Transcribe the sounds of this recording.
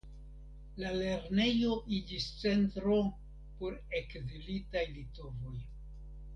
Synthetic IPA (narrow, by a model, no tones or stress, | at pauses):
lale̞ɾne̞jo̞ʔid͡ʒist͡se̞ntɾo̞ | poɾe̞kzilitajlito̞vo̞j